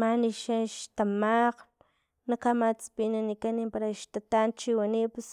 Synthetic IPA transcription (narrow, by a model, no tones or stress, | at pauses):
maniʃaʃt̪amaq | nakamat͡spinanikanimpaɾaʃt̪at̪ant͡ʃiwanips